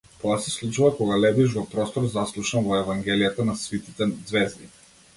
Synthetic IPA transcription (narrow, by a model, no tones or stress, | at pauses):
t̪oasɛslˠut͡ʃuvakɔɡalɛb̪iʃ̬vɔpɾɔst̪oɾzaslˠuʃnavɔɛvaŋɡʲɛlijat̪anasvit̪it̪ɛd̪zvɛzd̪i